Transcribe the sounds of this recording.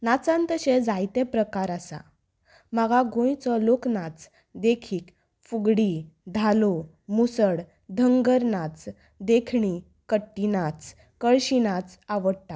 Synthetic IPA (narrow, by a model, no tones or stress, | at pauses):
nat͡sãnt̪əɕed͡zajt̪ẽpɾəkaɾasa̰ | maɡaɡõjt͡sɔloknat͡s | d̪ekʰiːk | fuɡɽid̪ʱalo | musəɽ | d̪ʱəŋɡəɾnat͡s | d̪ekʰɳi | kəʈːinat͡s | kəɭɕinat͡saʋəɽt̪a